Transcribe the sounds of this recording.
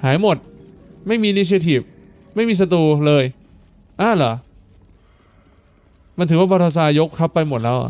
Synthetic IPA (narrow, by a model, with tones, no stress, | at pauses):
haː˩˦jmo˨˩t̪̚ma˥˩jmiː˧ni˦˥t͡ɕʰi˧t̪ʰiː˨˩p̚ | ma˥˩jmiː˧s̬a˧t̪̬uː˧˩lɤː˧j | ʔaː˧˩la˩˦ | ma˧nt̪ʰːwaː˥˩bɔː˧t̪ʰa˧s̬aː˧jo˦˥kʰɾa˦˥pːa˧jmo˨˩t̪̚lɛː˦˥wʔa̰˨˩